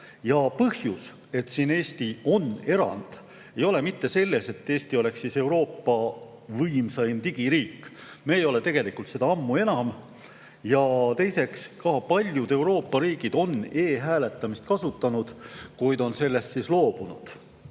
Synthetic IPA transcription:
jɑpɤhjus | e̞t̪sine̞ːst̪io̞ne̞ɾɑ̰nd̪̥ | e̞jo̞le̞mit̪ːe̞se̞lːe̞se̞t̪ːeːst̪io̞le̞kssise̞wɾo̞ːpːɑ | vɤjmsɑjnt̪iɡ̥iɾiːkːˑ | meːjo̞le̞t̪e̞ɡ̥e̞likult̪se̞d̪ɑɑmːue̞nɑm | jɑt̪e̞jse̞kskɑpɑlʲjud̪e̞wɾo̞ːpːɑɾiːɡid̪̥o̞ne̞ːɦæːle̞t̪ːˑɑmist̪̚kɑsut̪ːˑɑnud̪̥kujd̪o̞nse̞lːe̞st̪sislo̞ːb̥unṵd̪̥

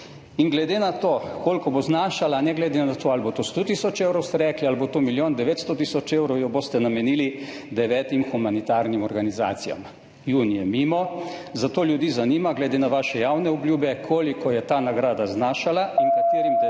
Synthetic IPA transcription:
iŋɡlɛd̪enat̪oːkoːlkɔboznaːʃalanɛɡlɛd̪enat̪oːalbot̪ost̪ot̪isɔt͡ʃeːwɾɔwst̪ɛɾɛːklialbot̪oːmiljoːnd̪ɛʋeːt̪st̪ɔt̪isɔt͡ʃeːwɾɔwjɔboːst̪ɛnamɛniːli | d̪ɛʋɛːt̪imxumanit̪aːɾnimɔɾɡaniza̰ːt̪sija̰m | juːnjɛmiːmɔzat̪oːljud̪iːzaniːmaɡlɛd̪enaʋaːʃɛjawnɛɔbljuːbɛkʰoːlikɔjɛt̪aːnaɡɾaːd̪aznaːʃalainkat̪eːɾim

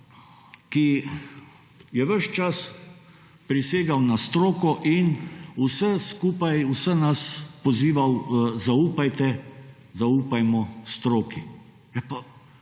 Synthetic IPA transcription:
ki | jɛʋəʃt͡ʃas | pɾiseːɡawnast̪ɾoːkɔʔinusəskuːpajusənaspɔziːʋawzauːpajt̪ɛ | zauːpajmɔst̪ɾoːki | jɛpa

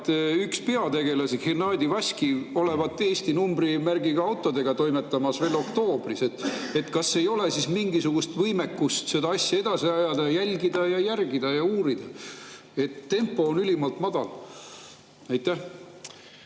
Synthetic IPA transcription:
t̪ykspe̞ɑt̪e̞ɡ̥e̞lɑsihirnɑːd̪ʲivɑsʲkio̞le̞vɑt̪ːeːst̪inumbrimærɡiɡ̥ɑɑwt̪ːˑo̞d̪e̞ɡ̥ɑt̪o̞jmet̪ːˑɑmɑsve̞ːlo̞kt̪o̞ːb̥rise̞t̪ːe̞t̪kɑsːe̞jo̞lesismiŋɡisuɡ̥ust̪vɤjme̞kːust̪se̞d̪ɑɑsʲjɑe̞d̪̥ɑsiɑjɑd̪ɑjælʲɡid̪̥ɑjɑjærɡid̪̥ɑjɑuːɾid̪̥ɑ | e̞t̪ːe̞mpːˑo̞ːnylʲimɑlt̪mɑd̪̥ɑl | æjt̪ːæh

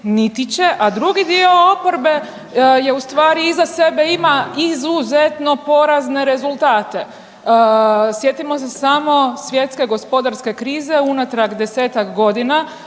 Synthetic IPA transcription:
nit̪it͡ɕe̞ʔad̪ɾuɡid̪io̞opo̞ɾbe̞ | je̞ust̪ʋaːɾiizase̞be̞imaizuze̞t̪no̞po̞ɾazne̞ɾe̞zulˠt̪aːt̪e̞ | sjet̪imo̞sesamo̞sʋje̞t̪ske̞ɡo̞spo̞d̪aɾske̞kɾiːze̞unat̪ɾakd̪e̞se̞ːt̪akɡo̞d̪ina

